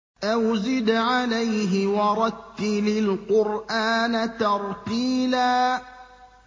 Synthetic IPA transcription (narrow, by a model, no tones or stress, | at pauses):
ʔawzɪd̪ʕalajɦɪwɑɾˤɑt̪ːɪlɪlqʊɾʔaːnat̪ɑɾˤqiːlaː